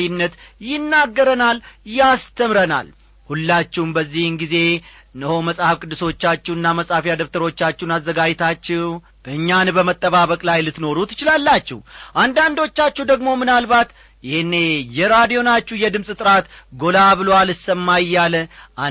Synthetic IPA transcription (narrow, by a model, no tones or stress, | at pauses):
inːət̪jɪnːaɡːəɾənaljast̪ʰəmɾəna̰l | hulːat͡ʃːɛwnbəzːihɨnɡize̞ | nːəho̞məsʼhafkʼɨd̪ːɨso̞t͡ʃːat͡ʃːɛwɨnːaməsʼhafijad̪əβt̪ʰəɾo̞t͡ʃːat͡ʃːɛunazːəɡad͡ʒt̪ʰat͡ʃːɛw | ʔɨɲːanbəmət̪ʼːəβaβəkʼlajlɨt̪no̞ɾut̪ʰɨ̥t͡ʃɪlalːat͡ʃːɛ̰wʔand̪and̪o̞t͡ʃːat͡ʃːud̪əɡmo̞mɨnalbat̪ | jɪhnːejɛɾad̪ijo̞nat͡ʃːuhjɛd̪ɨmsʼɨt̪ʼɨɾat̪ɡo̞laβɨlowalɨsəmːajːaləʔa